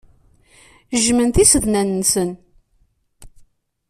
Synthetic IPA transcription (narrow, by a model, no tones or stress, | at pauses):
ʒmənθisəðnænənsən